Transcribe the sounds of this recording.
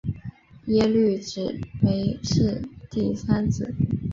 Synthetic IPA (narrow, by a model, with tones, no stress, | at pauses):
jɛ˥ly˥˩ʈ͡ʂɻ̩˨˩pe˧˥ɪʂɻ̩˥˧t̪i˥˩sa˥nt͡sɹ̩˨˩˦